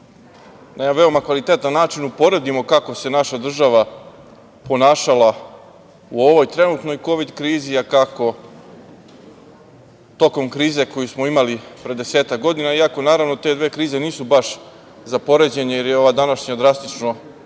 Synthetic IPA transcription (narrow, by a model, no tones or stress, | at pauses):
namaʋe̞o̞makʋalit̪eːt̪anːaːt͡ʃinupo̞ɾe̞d̪imo̞kako̞se̞naʃad̪r̩ʒaʋa | po̞naːʃala | uo̞ʋo̞jt̪ɾe̞nuːt̪no̞jko̞ʋid̪kɾiːziakako̞ | t̪o̞ko̞mkɾiːze̞ko̞jusmo̞imalipɾed̪e̞se̞ːt̪ak̚ɡo̞d̪inaiako̞naːɾaʋno̞t̪e̞d̪ʋe̞ːkɾiːze̞niːsubaʃ | zapo̞ɾe̞d͡ʑe̞ɲajeɾjeo̞ʋaːd̪anaʃɲad̪ɾast̪it͡ʃno̞